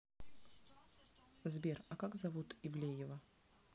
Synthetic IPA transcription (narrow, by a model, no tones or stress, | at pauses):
zbʲerɐkaɡzɐvut̪ɪvlʲejɪvə